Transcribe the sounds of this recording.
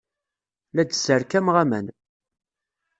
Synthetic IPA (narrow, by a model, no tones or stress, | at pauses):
lædzəɾkæmʁæmæ̰n